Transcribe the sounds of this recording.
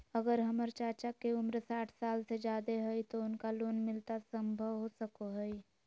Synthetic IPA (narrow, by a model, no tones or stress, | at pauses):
əɡəɾɦəməɾt͡ʃaːt͡ʃakeʊmɾsaːʈʰsaːlsed͡ʒaːd̪eɦɛit̪oʊnkaloːnmɪlt̪asə̃mbʱəʋɦosəkoɦɛi